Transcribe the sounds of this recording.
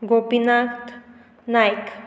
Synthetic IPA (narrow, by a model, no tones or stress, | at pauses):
ɡopinakt̪ | najk